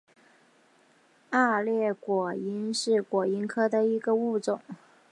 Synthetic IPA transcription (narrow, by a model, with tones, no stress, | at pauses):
a˥˧ljɛ˥˩kwɔ˨˩i˧˥nʂɻ̩˥˩kwɔ˨˩i˧˥nkʰɤ˥d̪ə˨˧i˧˥ɡə˧u˥˩ʈ͡ʂʊ˨˩˦ŋ